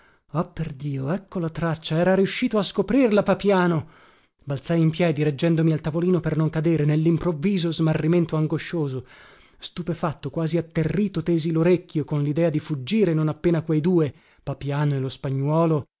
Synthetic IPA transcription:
apːerd̪iːoɛkːolat̪ɾat͡ʃːaɛːɾaɾiuʃːiːt̪oaskopɾirlapapjaːno | balsajimpjɛːd̪iɾed͡ʒːɛnd̪omialt̪avoliːnopernoŋkad̪eːɾenelːimpɾovːiːzozmarːiment̪oaŋɡoʃːoːzo | st̪upefat̪ːokwaːziat̪ːerːiːt̪ot̪eːziloɾekːjokonlid̪ɛːad̪ifud͡ʒːiːɾenonapːeːnakwejd̪uːe | papjaːnoelospaɲːwɔːlo

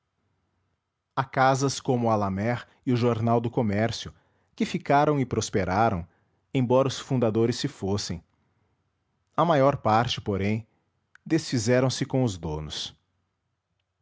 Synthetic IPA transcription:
akazɐskõmʊalamɛɾ | ɪʊʒoɾnawd̪ʊkomɛɾsjʊ | kɪfikaɾɐ̃w̃ɪpɾospeɾaɾɐ̰̃w̃ | ẽj̃bɔɾɐʊsfũnd̪ad̪oɾɪsːɪfosẽj̃ | ɐmajɔɾpaɾt͡ʃɪ̥poɾẽj̃ | d̪esfizɛɾɐ̃w̃sɪkõʊzd̪õnʊs

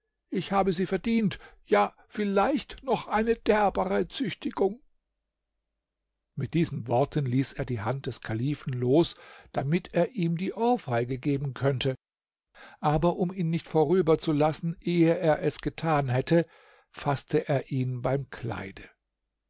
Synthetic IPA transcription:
ʔɪçhaːbəziːfɛɐdiːnt | jaː | fɪlaɪçtnɔχʔaɪnəd̥ɛɐbaʁət͡sʏçtʰɪɡ̥ʊŋ | mɪt̚d̥iːzn̩vɔɐtʰənliːseːɐdiːɦant̚d̥ɛskʰaliːfn̩loːsd̥amɪtʰeːɐʔiːmdiːʔɔːfaɪɡəɡeːbn̩kʰœntʰə | ʔaːbɐʔʊmiːnːɪçtfoʁyːbɐt͡sulasn̩ʔeːəʔeːɐʔɛsɡ̥ətʰaːnɦɛtʰə | fastʰəʔeːɐʔiːnbaɪmkʰl̥a̰ɪdə

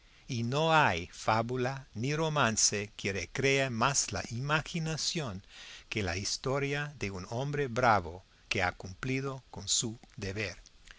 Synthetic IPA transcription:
inoajfaβulaniro̞mãnsekʰeɾekɾeamasla̰ʔimaxinasjoŋkela̰ist̪oɾjaðeunombɾebɾaβo | kea̰kumpliðokonsud̪eβeɾ

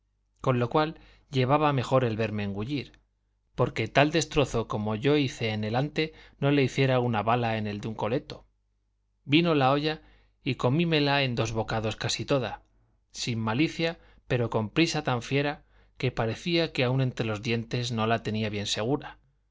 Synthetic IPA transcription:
ko̞nlo̞kwal | ʎe̞β̞aβame̞xo̞ɾe̞lβe̞ɾme̞ːŋɡuʎiɾ | po̞ɾke̞t̪ald̪e̞st̪ɾo̞θo̞ko̞mo̞ʝo̞iθe̞ːne̞lant̪e̞no̞le̞iθje̞ɾaunaβalae̞ne̞ld̪euŋko̞le̞t̪o̞ | bino̞lao̞ʝa | iko̞mime̞lae̞nd̪o̞zβo̞kaðo̞skasit̪o̞ða̰ | simːaliθja | pe̞ɾo̞ko̞mpɾisat̪aɱfje̞ɾa | ke̞paɾe̞θiake̞aunẽ̞nt̪ɾe̞lo̞zðje̞nt̪e̞zno̞lat̪e̞niaβje̞nse̞ɣ̞uɾa

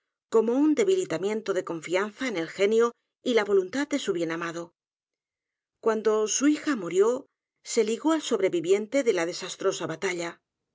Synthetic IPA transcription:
ko̞mo̞und̪e̞βilit̪amje̞nt̪oðe̞ko̞ɱfianθaene̞lxe̞njo | ilaβo̞lunt̪aðd̪e̞suβje̞namaðo̞ | kwand̪o̞suixamuɾjo̞ | se̞liɣo̞also̞βɾe̞βiβje̞nt̪e̞ðe̞laðe̞sast̪ɾo̞saβat̪aʎa

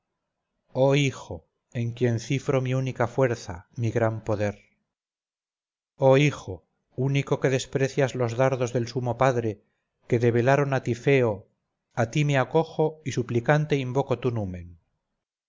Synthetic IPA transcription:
o̞ixo̞ | e̞ŋkje̞nθifɾo̞miunikafwe̞ɾθa̰miɣɾampo̞ðe̞ɾ | o̞ixo̞ | uniko̞ke̞ðe̞spɾe̞θjazlo̞zðaɾðo̞zðe̞lsumo̞paðɾe̞ | ke̞ðe̞β̞e̞laɾo̞nat̪ife̞o | at̪imeako̞xoisuplikant̪eimbo̞kot̪unumen

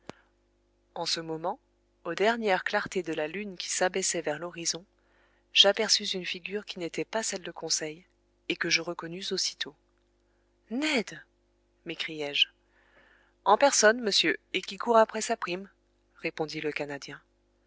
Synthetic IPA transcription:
ɑ̃səmɔmɑ̃ | od̪ɛʁnjɛʁklaʁt̪ed̪əlalynkʲi̥sabɛsɛvɛʁlɔʁizɔ̃ | ʒ̥apɛʁsyzynfiɡʲyʁkʲinet̪ɛpasɛld̪əkʰɔ̃sɛj | ekəʒəʁəkɔnyzosi̥t̪ʰo | nɛd̪ | mekχijɛʒ | ɑ̃pɛʁsɔnməsjøekʲikʰuʁapχɛsapχim | ʁepɔ̃d̪iləkanad̪jɛ̃

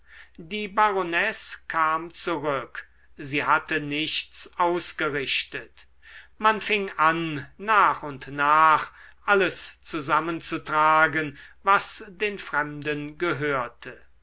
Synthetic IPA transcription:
diːbaʁonɛskʰaːmt͡suʁʏk | ziːhatənɪʃt͡sʔaʊsɡ̥əʁɪʃtət | manfɪŋʔanːaːχʊntnaːχʔaləst͡suzamənt͡sutʁ̥aːɡənvasd̥eːnfʁ̥ɛmdənɡəɦøːɐtʰə

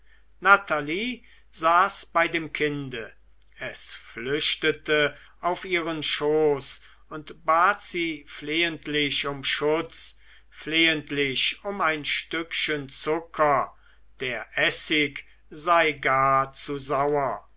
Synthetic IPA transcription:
nataliː | zaːsb̥aɪdeːmkʰɪndə | ɛsflʏʃtətə | ʔaʊfʔiːʁənʃoːs | ʊntb̥aːtz̥iːfleːəntʰlɪçʊmʃʊt͡s | fleːəntlɪçʊmaɪnʃtʏkʃənt͡sʊkʰɐ | d̥eːɐʔɛsɪk | zaɪɡaːɐt͡suzaʊɐ

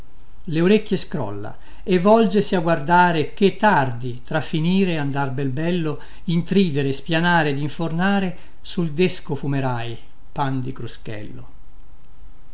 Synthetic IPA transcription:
leoɾekːjeskɾɔ̰lːa̰ | evːɔld͡ʒesiaɡward̪aːɾek̟et̪ːard̪it̪ɾafːiniːɾeand̪arbɛlbɛlːo | int̪ɾiːd̪eɾespjanaːɾed̪iɱfornaːɾe | suld̪eskofumeɾaj | pand̪ikɾuskɛ̰lːo̰

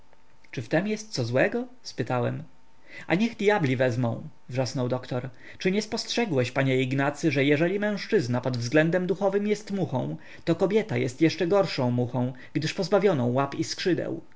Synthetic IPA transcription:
t͡ʂɘft̪ɛmjɛst̪̚sɔzwɛɡɔ | spɘt̪awɛm | a̰ɲɛɣd̪jablʲivɛzmɔ̃w̃ | vʐasnɔwd̪ɔkt̪ɔɾ | t͡ʂɘɲɛspɔstʂɛɡwɛɕpaɲɛiɡnat̪sɘʐɛjɛʐɛlʲimɛ̃w̃ʂt͡ʂɘznapɔd̪vzɡlɛnd̪ɛmd̪uxɔvɘmjɛst̪muxɔ̰̃w̃ | t̪ɔkɔbʲjɛt̪ajɛst̪jɛʂt͡ʂɛɡɔɾʂɔ̃w̃muxɔ̃w̃ | ɡd̪ɘʂpɔzbavʲjɔnɔ̃w̃wapiskʂɘd̪ɛ̰w

